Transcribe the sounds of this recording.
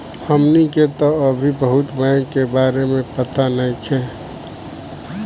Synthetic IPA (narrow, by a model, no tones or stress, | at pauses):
həmniket̪oɐbʱibəɦʊt̪bɛ̃ːkebaːɾemẽpət̪anəĩkʰɛ̃ː